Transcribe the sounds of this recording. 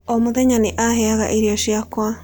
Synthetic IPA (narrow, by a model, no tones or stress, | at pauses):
omuðeɲaniʔaɦeaɣa̰ʔiɾioʃiakwa